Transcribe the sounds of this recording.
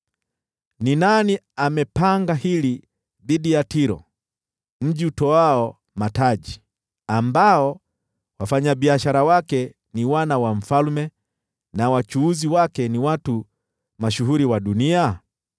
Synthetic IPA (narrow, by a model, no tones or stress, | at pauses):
ninani | amɛpaŋɡahili | ðiɗijatiɾɔ̰ | m̩ʄiutɔaɔ | mataʄi | ambaɔ | wafaɲaɓiaʃaɾawakɛ | niwanawam̩falmɛ | nawat͡ʃuuziwakɛniwatu | maʃuɦuɾiwaɗunia